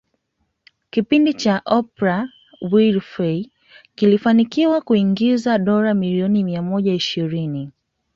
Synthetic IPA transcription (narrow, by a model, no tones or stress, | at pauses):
kipindit͡ʃaʔɔpɾa | wilfɛi | kilifanikiwakuiŋɡizaɗɔɾamiliɔnimiamɔʄaiʃiɾini